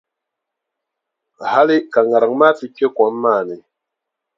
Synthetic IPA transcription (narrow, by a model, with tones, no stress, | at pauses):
ha˦li˦ka˨ŋa˨ɾa˨ŋmaː˦ti˦ke˦kɔ˨˦m˦maː˦˨ni˨